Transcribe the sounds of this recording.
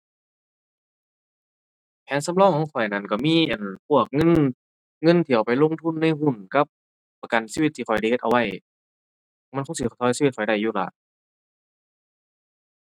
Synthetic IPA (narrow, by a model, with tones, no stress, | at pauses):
pʰɛː˨˦nsa˧˥mlɔː˧˨ŋkʰɔː˨˧˦ŋkʰɔ˨˩jna˧˩nka˧˩miː˧˥˨ʔa˨˩npʰu˧˥˩ək̚ŋɤ˧˥˨n | ŋɤ˧˨nt̪ʰi˨˩ə˨wpa˨jlo˧˥˨ŋt̪ʰu˧˥˨nːa˧˥˨jɦu˧˩nka˧˥p̚ː | a˧˩ka˨nsiː˧˨i˧t̪ʰːiː˧˨ɔ˨˩jda˧˩jhe˧t̪ʔa˧wa˧˩˨j | ma˧˥˨kʰo˧˥ŋsi˧˩kʰɔ˧˩t̪ʰɔː˧˥˩siː˧i˧t̪̚kɔ˨˩jda˧˩jːuː˧˩la̰ː˨˧˩